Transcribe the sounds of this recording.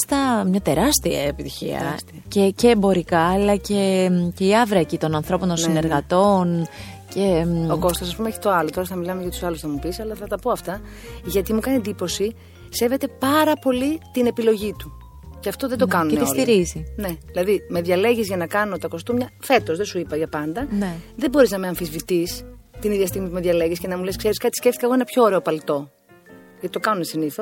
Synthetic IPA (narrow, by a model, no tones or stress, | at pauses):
st̪ɐmɲɐt̪e̞ɾɐst̪iɐ̰epit̪içḭɐ̰ | ceceːmbo̞ɾikɐːlɐce̞mceiɐvɾɐecit̪o̞nɐnθɾo̞pont̪ossine̞ɾɣɐt̪o̞n | ce̞oko̞st̪osɐs̬pumeeçi̥t̪o̞ɐlot̪o̞ɾɐθɐmilɐmeʝɐt̪u̥sɐlusθɐmupisɐlɐθɐt̪ɐpo̞ɐft̪ɐ | ʝɐt̪imukɐnie̞nd̪ipo̞si | se̞ve̞t̪e̞pɐɾɐpo̞lit̪ine̞pilo̞ʝit̪u | ceɐft̪o̞ðed̪okɐnuneosliɾizine̞ðilɐðime̞ðʝɐle̞ʝizʝɐnɐkɐnot̪ɐko̞st̪umɲɐfe̞t̪o̞zðesuipɐʝɐpɐnd̪ɐnðe̞bo̞ɾiznɐmeɐɱfizvit̪ist̪iniðjʝɐst̪iɣmit̪ume̞ðʝɐleʝisce̞nɐmule̞skse̞ɾiskɐt̪i̥sce̞ft̪ikɐɣoenɐpço̞ːɾe̞o̞pɐlt̪o̞ | ʝɐt̪i̥t̪o̞kɐnunesiniθo̞s